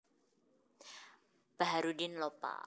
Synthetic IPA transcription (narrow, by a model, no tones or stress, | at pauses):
b̥aɦaɾudɪnlopa̰